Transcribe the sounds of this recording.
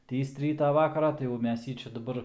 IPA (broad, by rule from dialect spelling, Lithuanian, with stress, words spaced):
ˈtʲiːst ˈrʲiːtɑː ˈʋɑːkɐrɑː tɐɪ jɛʊ ˈmʲɛs ˈjiː ˈt͡ʃʲɛ dɐˈbɐr